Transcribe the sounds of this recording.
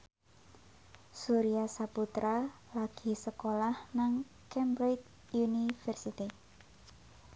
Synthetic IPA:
suɾiasaput̪ɾʔa | laɡ̥i̤səkolahnaŋ | kɛmbɾet | junifɛrsit̪i

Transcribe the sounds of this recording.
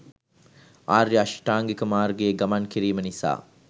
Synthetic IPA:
aːɾːiɐʃʈaːŋɡekəmaːɾɡeːɡɐmankiɾiːmənisa̰ː

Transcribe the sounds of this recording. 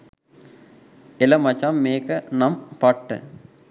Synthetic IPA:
ɪlɐmɐt͡ʃːamːeːkɐnɐmpɐʈːɨ̰

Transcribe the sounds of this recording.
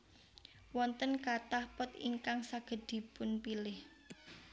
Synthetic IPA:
wɔnt̪ənkat̪ahpʊt̪ḭŋkaŋsaɡ̥ə̤d̪̥i̤pʊnpilɪh

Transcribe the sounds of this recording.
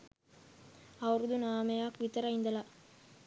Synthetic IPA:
ɐʋɐɾd̪unaːmɐjaːkʋit̪ːɐɾɐɪnd̪ɐla

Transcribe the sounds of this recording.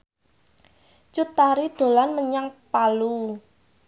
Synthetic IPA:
t͡ʃut̪aɾiɖ̪̥o̤lanməɲaŋpalu

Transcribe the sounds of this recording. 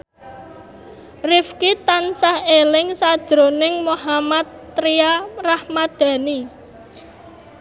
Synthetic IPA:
rɪfkit̪ansahelɪŋsad̥ʒ̥ɾonɪŋmoɦamat̪ːɾiarahmad̪̥ä̤ni

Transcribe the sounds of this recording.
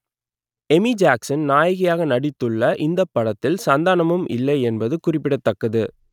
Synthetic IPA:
ɛmid͡ʒaːksɐnnaːjɐɣɐjaːɣɐnɐɽɪt̪ːɯɭːɐʔɪnd̪ɐpːɐɽɐt̪ːɪlsɐnd̪aːnɐmɯmʔɪ̰lːɐɪɛnbɐðɯkʊrɪpːɪɽɐt̪ːɐkːɐðɯ

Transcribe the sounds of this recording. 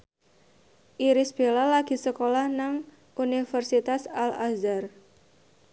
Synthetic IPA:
ʔiɾɪsb̥elalaɡ̥i̤səkolahnaŋ | ʔunifərsit̪asalazar

